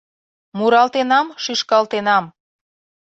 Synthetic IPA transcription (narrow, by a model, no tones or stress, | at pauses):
muɾɑlt̪enɑmʃyʃkɑlt̪enɑm